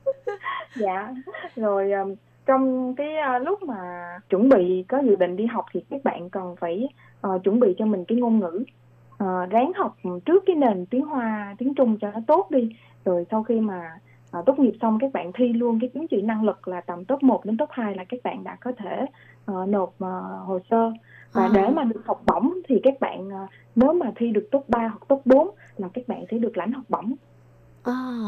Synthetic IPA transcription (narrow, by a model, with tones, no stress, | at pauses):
za̰ː˧˨zo˨˩jʔəː˨˩ | t͡ɕɔ˧wŋ͡mkaː˨˦jəː˧lʊ˦˥k͡p̚maː˨˩t͡ɕwə˧˩nɓḭ˧˨kɔ˨˦zɨ̰˧˨ɗḭ̈˧˨ŋ̟ɗi˧ɦa˨˩wk͡p̚t̪ʰi˨˩kaː˦˥k̚ɓa̰ː˧˨nkə˨˩nfaː˧˩j | ʔəː˨˩t͡ɕwə˧˩nɓḭ˧˨t͡ɕɔ˧mï˨˩ŋ̟kaː˨˦jŋo˧nŋɨ̰˧˥ | ʔəː˨˩zaː˨˦ŋha˨˩wk͡p̚t͡ɕɨ˦˥əkːaː˨˦jne˨˩nt̪i˨˦əŋɦwaː˧t̪i˨˦əŋt͡ɕʊ˧ŋ͡mt͡ɕɔ˧nɔ˨˦t̪o˦˥t̚ɗi˧ | zo˨˩jsa˧wxi˧maː˨˩ | ʔːt̪o˦˥t̚ɲi˨˩əp̚sa˧wŋ͡mkaː˦˥k̚ɓa̰ː˧˨nt̪ʰwi˧lu˧ənkaː˨˦jt͡ɕɨ˨˦ənt͡ɕḭ˧˨nːa˧ŋlɨ˨˩k̚laː˨˩t̪ə˨˩mt̪o˦˥p̚mo˨˩t̚ɗe˨˦nt̪o˦˥p̚haː˧jlaː˨˩kaː˦˥k̚ɓa̰ː˧˨nɗa̰ː˧˥kɔ˨˦t̪ʰe˧˩ | ʔəː˨˩no˨˩p̚əː˨˩ho˨˩səː˧vaː˨˩ɗe˧˩maː˨˩ɗɨ˨˩ək̚hɔ˨˩wk͡p̚ɓɔ̰˧˩wŋ͡mt̪ʰi˨˩kaː˦˥k̚ɓa̰ː˧˨nː˨˩ | ne˨˦wmaː˨˩t̪ʰwi˧ɗɨ˨˩ək̚t̪o˦˥t̚ɓaː˧ɦɔ˨˩wk͡p̚t̪o˦˥t̚ɓo˨˦n | laː˨˩kaː˦˥k̚ɓa̰ː˧˨nsɛ̰˧˥ɗɨ˨˩ək̚la̰˧˩jŋ̟hɔ˨˩wk͡p̚ɓɔ˧˩wŋ͡m